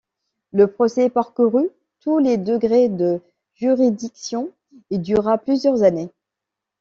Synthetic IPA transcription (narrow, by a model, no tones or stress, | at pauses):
ləpχɔsɛpaʁkuʁy | t̪uled̪əɡʁed̪ə | ʒyʁid̪iksjɔ̃ | ed̪yʁaplyzjœʁzane